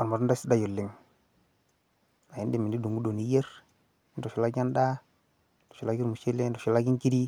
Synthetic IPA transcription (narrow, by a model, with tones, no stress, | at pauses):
a˨n˨ma˨ɾu˦da˦si˦da˦˨jo˨lːi˨ŋ | a˨i˦ndi˦mi˨ndi˦du˨ɡu˦do˨ni˦je˦ɾ | ndo˨ʃu˦la˦ɡa˦nda˦ | do̥˨ʃu˨la˦ɡi˦ɾmu˨ʃe˦le˦do˨ʃu˦la˦ɡi˦ki˦di˦